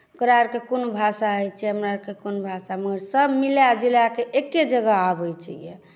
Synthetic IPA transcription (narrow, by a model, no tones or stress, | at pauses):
okɾaɾkekunbʱasaɦəjt͡ʃʰiəmɾaɾkekunbʱasaməɡəɾsəbmiljad͡ʒuljakeʔekːed͡ʒəɡəabəjt͡ʃʰəje